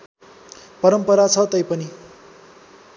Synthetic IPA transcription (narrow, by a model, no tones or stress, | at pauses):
pʌɾʌmpʌɾat͡sʰʌt̪ʌjpʌni